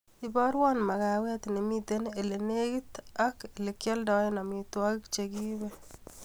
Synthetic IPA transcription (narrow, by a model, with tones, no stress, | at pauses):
ibɔɾwɔ˦nma˨ka˨wɛ˦t̪ne˨mit̪ene˨le˨ne˦kit̪a˦ke˨lekjɔ˦lda˨˦ena˨mit̪wɔkɪ˦kt͡ʃeɡi˦bɛ